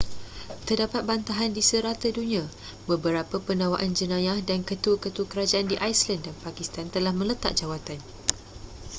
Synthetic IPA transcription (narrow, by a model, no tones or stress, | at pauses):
t̪ərdapat̪̚bant̪aɦandisəɾat̪ədunĩã | bəbəɾapəpənãwaʔand͡ʒənãjahdankət̪ukət̪ukəɾad͡ʒaʔandiʔajslandanpakist̪ant̪əlahmə̃lət̪a̰ʔ̚d͡ʒawat̪an